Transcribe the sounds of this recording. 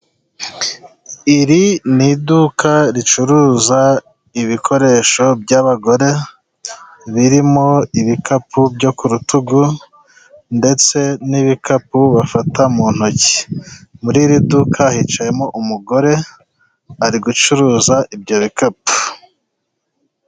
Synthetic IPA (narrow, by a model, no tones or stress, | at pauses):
iɾinidukʰaɾit͡ʃuɾuːza | iβikʰo̞ɾe̞ʃo̞bɟaβaɡo̞ɾe̞ | βiɾimo̞iβikapʰubɟo̞kuɾutuɡu | nde̞t͡se̞niβikapuβafatamuːn̥hoci̥muɾiɾidukʰahit͡ʃaje̞mo̞ʔumuɡo̞ɾe̞ | aɾiɡut͡ʃuɾuːzaʔibɟoβikapu̥